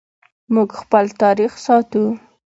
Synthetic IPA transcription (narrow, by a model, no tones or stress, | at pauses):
muɡxpəlt̪ɑɾixsɑt̪u